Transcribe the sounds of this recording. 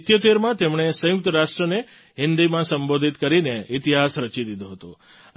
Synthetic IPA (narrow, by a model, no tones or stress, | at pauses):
t̪jot̪eɾmãt̪emɳ̃esə̃jʊk̚t̪əɾaʃʈɾəne | ɦɪnd̪imãsəmbod̪ʱit̪kəɾineit̪iɦasɾət͡ʃid̪id̪oɦət̪õ